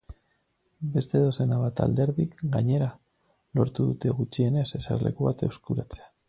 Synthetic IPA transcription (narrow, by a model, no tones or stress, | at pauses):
be̞st̪e̞ðo̞senaβ̞at̪a̰ld̪e̞ɾðikɡaɲe̞ɾa | lo̞ɾt̪uðut̪e̞ɣut͡ʃie̞ne̞se̞sa̰ɾle̞̰kuβat̪e̞wskuɾat͡se̞̥a